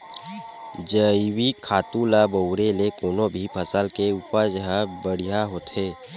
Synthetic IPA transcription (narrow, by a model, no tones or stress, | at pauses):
d͡ʒəiwikʰaːt̪ũlabəwɾelekoːnobʱipʰəsəlkeuːpəɾd͡ʒəɦə̃bəɽ̤ijaɦoːt̪ɦeː